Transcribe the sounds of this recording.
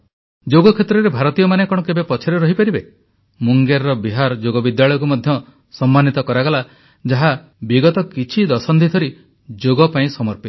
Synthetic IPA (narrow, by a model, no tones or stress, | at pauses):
d͡ʒoɡɔkʰet̪ɾɔɾebʱaɾɔt̪ijɔmanekɔɽɔkebepɔt͡ʃʰeɾɔɾɔɦipaɾibe | muŋɡeɾɾɔbiɦaɾɔd͡ʒoɡɔbid̪jaɭɔjɔk̬umɔd̪ʱjɔ | sɔmːanit̪ɔkɔɾaɡɔla | d͡ʒaɦa | biɡɔt̪ɔkit͡ʃʰid̪ɔsɔnd̪ʰʱit̪ʰɔɾi | d͡ʒoɡɔpaĩsɔmɔɾpi̥